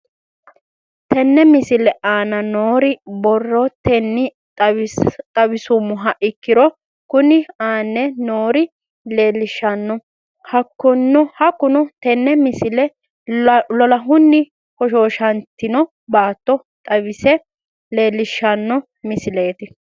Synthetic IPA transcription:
t̪ɛnːɛmɪsɪlɛʔaːnɐnoːɾɪbɔrːɔt̪ɛnːɪ | t̪ʼɐbɪsʊmːʊɦɐʔɪkːɪɾɔ | kʊnɪaːnːɛnoːɾɪ | le̞ːlɪʃːɐnːɔ | hɐkːɔnːɔhɐkːʊnʊt̪ɛnːɛmɪsɪlɛ | lɔlɐɦʊnːɪ | kɔʃoːʃɐnt̪ːɪnɔ | baːt̪ːɔ | t̪ʼɐβɪsɛ | le̞ːlːɪʃːɐnːɔ | mɪsɪle̞ːt̪ɪ

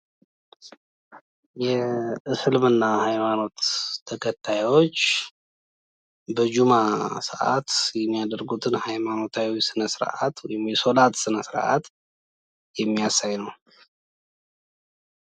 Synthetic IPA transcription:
jɛɨsɨlmɨnːahajmano̞t̪ʰːəkʰət̪ʰːajwo̞t͡ʃː | bəd͡ʒumasə̰ʔa̰t̪jɛmːijad̪əɾɡut̪ʰɨnhajmano̞t̪ʰawisɨnəsɨɾʔa̰t̪wɔjɪmjɛso̞lat̪sɨnəsɨɾ̰ʔa̰t̪ | jɛmːijasajnəw

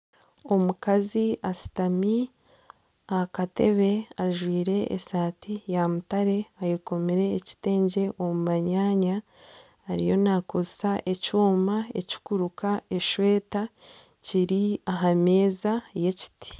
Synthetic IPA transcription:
o̞mukaziasi̥tami | akate̞̰βe̞aʒwiːɾe̞̰ːsaːtijamutaɾe̞ajeko̞meɾe̞ːci̥te̞ːɲɟe̞ʔo̞mumaɲaːɲaː | ɾḭjo̞nakozsaʔe̞cuːmaeci̥kuɾukae̞ʃwe̞ːta | ciɾiaɦame̞ːzaje̞ci̥ti̥

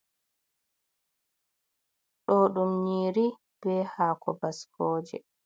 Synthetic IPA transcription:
ɗɔːɗumɲiːɾi | b̥ɛhaːkʰɔ̰baskʰɔːd͡ʒɛ̰

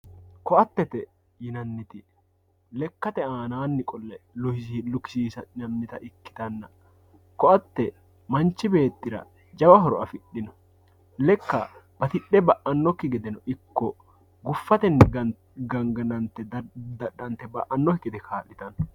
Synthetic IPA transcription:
kɔɐt̪ːɛt̪ɛ | jɪnɐnːɪt̪ɪ | lɛkːɐt̪ɛaːnaːnːɪkʼɔlːɛlʊhsilʊkɪ̥siːsɐɪnɐnːɪt̪ɐʔɪkːɪ̥t̪ɐnːɐ | kɔʔɐt̪ːɛ | mɐnt͡ʃːɪbe̞ːt̪ːɪɾɐ̰ | d͡ʒɐbɐɦɔɾɔʔɐfɪɗːɪnɔ̥ | lɛkːɐ̰b̥ɐt̪ɪɗɛbɐʔɐnːɔkːɪɡɛd̪ɛnɔʔɪkːɔ | ɡʊfːɐt̪ɛnːɪɡɐ | ɡɐŋɡɐnɐnt̪ːɛd̪ɐɗɐnt̪ːɛbɐ̰ʔɐnːɔhɪkːɪt̪ɛkʰaːlːɪt̪ɐn

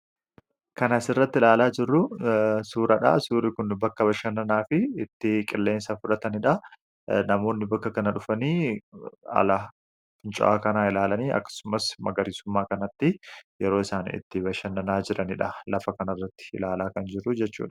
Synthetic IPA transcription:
kɐnaːsɪrːɐt̪ːɪlaːlaːd͡ʒɪrːʊsuːɾɐᶑa̰suːɾɪkʊnbɐkːɐbɐʃɐnːɐnaːfɪɪt̪ːɪkʼɪlːe̞ːnsɐfʊᶑɐt̪ɐnɪᶑɐ | nɐmo̞ːnːɪbɐkːɐkɐnɐᶑʊfɐniː | ɐ̰lɐ | fʼʊnt͡ʃʼʊ̰ʔa̰ːkɐnaːɪlaːlɐniːʔɐ̰kːɐ̥sʊmɐsmɐɡɐɾɪsʊmːaːkɐnɐt̪ːɪjɛɾo̞ːɪsaːnɪ̰t̪ːɪbɐʃɐnːɐnaːd͡ʒɪɾʔɐnɪᶑɐlɐfɐkɐnɐrːɐt̪ːɪ̥ɪ̰laːlaːkɐnd͡ʒɪrːʊd͡ʒɛt͡ʃːṵːᶑɐ̥

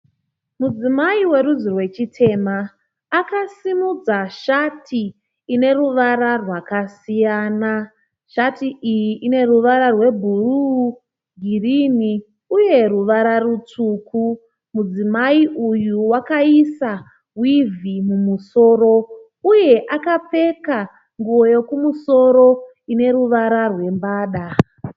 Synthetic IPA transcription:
mud͡zimaiwe̞ɾuzirwe̞t͡ʃitʰe̞maː | kasimud͡zaʃatʰiː | ne̞ruʋaɾarwakasijaːna | ʃatiʔijiʔine̞ruʋaɾarwe̞bʱuruː | ɡʱirini | uje̞ruʋaɾarut͡suku | mud͡zimaiʔujuwakaisa | wivimumuso̞ːɾo̞ | uje̞ʔakap͡fe̞ka | ŋɡuo̞jo̞kumuso̞ɾo̞ | ine̞ɾuʋaɾarwe̞mbaːɗa

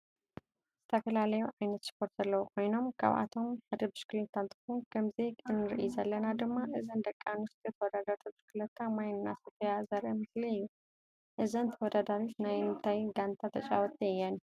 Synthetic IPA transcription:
z̥ɨt̪ʰɐfɐlalɐjuʕajnɐt̪spʰo̞ɾt̪zɐlːɐwukʰʼo̞jno̞mkʰa̰βa̰t̪ʰo̞mħad̪ɐbɨʃkɨlɐt̪ʰːant̪ʰɨ̥xunkʰɐmzeɨnːɨɾɨʔḭzɐlːɐnad̪ɨmːaʔɨzɐnd̪ɐkʼːanust̪ʰʼjɛt̪ʰɐwɔd̪ad̪aɾt̪ʰɨbɨʃkɨlɐt̪ʰːamajnnːasufjazɐɾʔɐmɨsliɨjːu | ʔɨzɐnt̪ʰɐwɔd̪ad̪aɾit̪najɨnt̪ʰajɡant̪ʰat̪ʰɐt͡ʃʼawɔt̪ʼjːan

